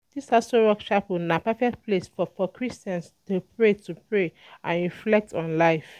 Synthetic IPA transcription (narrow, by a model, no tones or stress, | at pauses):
d̥isasowɔkʃapunapɛfɛk̚tplesfɔfɔkʰɹistãnstupʰɹetʰupʰɹe | ʔãnɹiflɛk̚tɔ̃nlaɪf